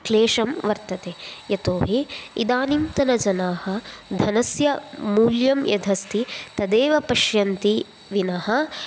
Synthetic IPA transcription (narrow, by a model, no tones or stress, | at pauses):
kleːʂɐmʋɐɾt̪ɐt̪eːjɐt̪oːɦiḭd̪aːnimt̪ɐnɐd͡ʒɐnaːhɐd̪ʱɐnɐsjɐmuːljɐmjɐd̪ʱɐst̪it̪ɐd̪eːʋɐpɐʃjɐnt̪i | ʋinɐɦɐ̆